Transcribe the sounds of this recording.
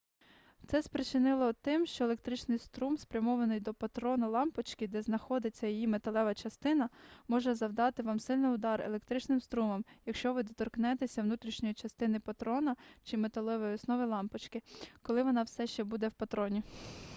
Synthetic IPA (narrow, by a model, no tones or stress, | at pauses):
t̪sɛspɾet͡ʃɪnɪlˠɔt̪ɪmʃt͡ʃɔelˠe̞k̚t̪ɾɪt͡ʃnɪjst̪ɾumspɾʲɐmɔʋɐnɪjd̪ɔpɐt̪ɾɔnɐlˠɑmpɐt͡ʃkɪd̪ɛznɐxɔd̪ɪt͡sʲːɐjijimet̪ɐlˠɛʋɐt͡ʃɐst̪ɪnɐmɔʒɛzɐwd̪ɑt̪ɪʋɑmsɪlʲnɪjʊd̪ɑɾḛlˠekt̪ɾɪt͡ʃnɪmst̪ɾumɔmjɐkʃt͡ʃɔʋɪd̪ɔt̪ɔrknɛt̪esʲɐwnut̪ɾʲiʃnʲɔjit͡ʃɐst̪ɪnɪpɐt̪ɾɔnɐt͡ʃɪmet̪ɐlˠɛʋɔjiɔsnɔʋɪlˠɑmpɐt͡ʃkɪkɔlˠɪʋɔnɑwsɛʃt͡ʃɛbud̪ɛwpɐt̪ɾɔnʲi